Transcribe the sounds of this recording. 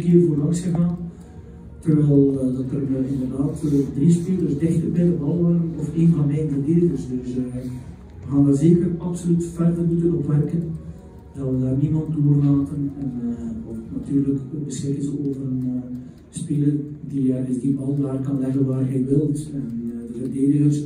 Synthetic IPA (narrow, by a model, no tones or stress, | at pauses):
əkɪːrvoːrlɑŋsxəɣaːn | tərʋɛlˠdɑtkønənəɪndərdaːtovərdrispilˠədəsdɪxtəpɪləbɑlˠʋɑrənɔfeːnvɑnmɛjdidetərsdøs | xaːnʋəzeːkərɑpsolytfɛrvəlmutənɔpʋɛrkən | d̥ɑtʋədaːrnimɑnt̚doːrlaːtənɛnɔttnatyːrləkok̚bəsxɪkənzəoːvərən | spɪlər | dijaɪzdiɑlˠdaːrkɑnlɛvənʋaːrɣeʋɪlˠtɛndəvərdeːdəɣəs